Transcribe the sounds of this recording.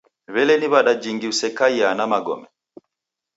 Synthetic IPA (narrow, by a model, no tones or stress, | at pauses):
βɛlɛniβaɗad͡ʒiŋɡiusɛkaianamaɡɔ̰mɛ